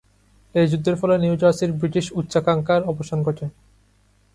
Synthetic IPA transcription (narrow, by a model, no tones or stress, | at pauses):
ejd͡ʑud̪ʱːeɾfɔleniuwd͡ʑaɾsiɾbɾiʈiʃutːɕakaŋkaɾɔboʃankɔʈʰe